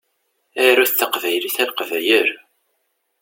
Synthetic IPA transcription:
æɾæθθːəqvæjliθæðqəvæjəɾ

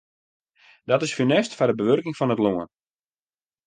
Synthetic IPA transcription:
d̥ɔtɪsfynɛstfadəbəʋørkɪŋfɔnətloən

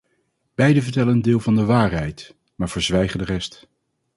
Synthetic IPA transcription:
b̥ɛjdəvəɹtɛləndɪːlˠvɑndəʋaːɹɦɛjt | maːɹv̥əɹzʋɛjχədərɛst

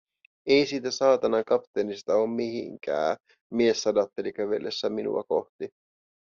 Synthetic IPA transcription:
e̞jsiːt̪æsɑːt̪ɑnɑŋkɑpt̪enist̪ɑo̞ːmːmihḭŋkæ̰ː | miesːɑdɑt̪ːelikæʋelːesːæminṵɑ̰ko̞̰ht̪i

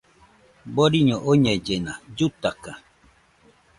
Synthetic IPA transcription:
boɾiɲoʔoɲed͡ʒenad͡ʒut̪aka

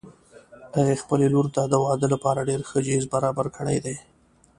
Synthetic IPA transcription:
haɣexpəleloɾt̪ad̪əwɑd̪əlapɑɾaɖeɾxəd͡ʒezbaɾɑbaɾkʰəɽa̰jd̪aj

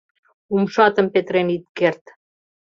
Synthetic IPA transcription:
umʃɑt̪əmpet̪ɾenit̪̚kert̪

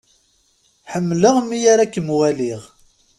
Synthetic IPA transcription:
ħəmːləʁmːijaɾækːəmwæliʁ

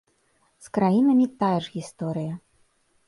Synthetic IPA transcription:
skɾajinɐmʲit̪ajɛʐɣʲist̪ɔɾɨjɐ

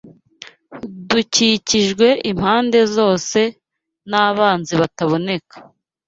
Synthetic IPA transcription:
duciciʒɡwe̞ʔim̥haːnde̞zo̞ːse̞ | naβaːnziβataβo̞ne̞kḁ

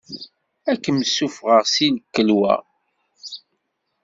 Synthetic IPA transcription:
ækːəməsːufʁəʁsinəkːəlwæ̰

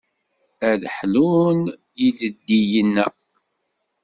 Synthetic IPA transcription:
æðħlun | jidəd̪ːijənːæ

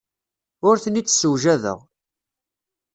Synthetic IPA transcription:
ʊɾθənit͡sːsəwʒæðə̰ʁ

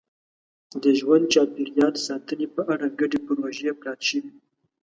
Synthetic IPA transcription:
d̪əʒwand̪̚t͡ʃɑpiɾjɑlsɑːt̪ənipəʔaɽaɡaɖipəɾoʒijepɾɑt̪ʃəwi

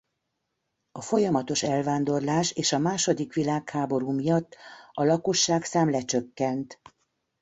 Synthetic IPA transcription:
ɒfo̞jɒmɒt̪o̞ʃɛlvaːnd̪o̞rlaːʃeːʃɒmaːʃo̞d̪ikʋilaːkhaːbo̞ɾuːmijɒt̪ːɒlɒko̞ʃːaːksaːmlɛt͡ʃøkːɛnt̪

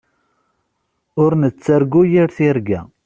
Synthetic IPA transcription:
ʊɾnət͡sːəɾɡujiɾθiɾɡæ̰

